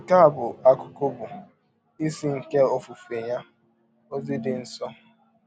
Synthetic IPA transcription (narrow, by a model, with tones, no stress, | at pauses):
ka˦a˨bʊ˨a˦kʊ̥˨ko˦bʊ˨ | i˦si˦ŋ̩˨ke˦o˦fu˨fe˨ja˦ | o˦zi˦dɪ˨n̩˦sɔ˦